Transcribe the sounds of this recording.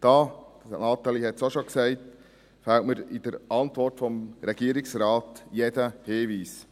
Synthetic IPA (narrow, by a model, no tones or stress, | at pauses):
d̥ɑːnɑːt̪æɪlihɛt̪soʃoksɛɪt | fɛltməɾid̥̪əɾʔɑnt̪ʋɔrtfɔmɾɛɡ̥iəɾɪksɾɑːt̪jed̥əhɪːʋiːs